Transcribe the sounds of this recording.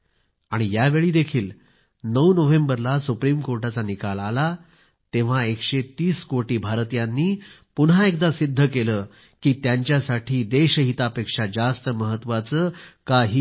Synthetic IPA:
aɽ̃ijaʋeɭiːd̪ekʰiːl | nəwnoʋembəɾlasupɾimkoɾʈat͡sanikalala | t̪eʋ̤aekɕet̪iːskoʈiːbʱaɾt̪janːiː | punɦaek̚d̪asid̪ʱːəkeləː | kiːt̪jaɲt͡ɕjasaʈʰiːd̪eɕəɦit̪apekʂad͡zast̪əməɦət̪ːʋat͡səːkaɦiː

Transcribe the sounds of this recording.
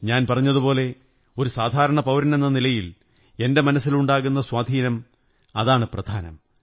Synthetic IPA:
ɲaːnpɐrɐɲːɐðupo̞ːle̞ | o̞ɾusaːd̪ʱaːɾɐɳɐpɐwɾɐne̞nːɐnilɐjil | e̞nde̞mɐnɐsːiluɳɖaːɣunːɐswaːd̪ʱiːnɐm | ɐðaːɳɨprɐd̪ʱaːnɐ̰m

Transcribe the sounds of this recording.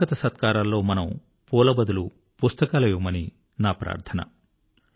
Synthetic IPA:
ɐt̪ɐsɐt̪kaːɾɐlːo̞ːmɐnɐm | puːlɐbɐd̪ulu | pust̪ɐkaːlɐjumɐni | naːpɾa̰ːɾt̪ʰɐnɐ̰

